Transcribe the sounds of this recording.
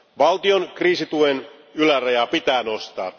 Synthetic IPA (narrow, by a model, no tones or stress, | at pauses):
ʋɑlt̪io̞nkriːsit̪uen | ylærɑjɑpit̪æːno̞st̪ɑ̰ː